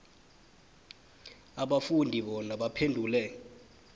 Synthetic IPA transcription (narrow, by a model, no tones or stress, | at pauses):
aɓafundʱiɓɔnaɓapʰendʱuːlɛ